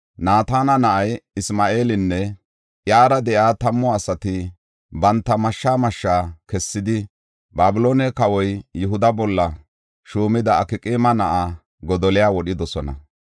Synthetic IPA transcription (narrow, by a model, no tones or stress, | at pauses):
naːt̪aːnɐnɐʔɐjɪsmaːʔe̞ːlɪnːɛ | ʔjaːɾɐd̪ɛjaːt̪ɐmːɔɐsɐt̪ɪ | bɐnt̪ːɐmɐʃːaːmɐʃːaːkɛsːɪd̪ɪ | baːbɪloːnɛkɐwɔjːʊɦʊd̪ɐbɔlːɐ | ʃuːmɪd̪ɐːkɪkʼɪːmɐnɐʔa | ɡɔd̪ɔlɪjaːwɔɗɪd̪ɔsɔnɐ̰